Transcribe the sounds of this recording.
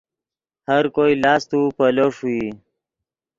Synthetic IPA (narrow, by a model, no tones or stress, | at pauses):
həɾkojlɑːst̪upəloʂui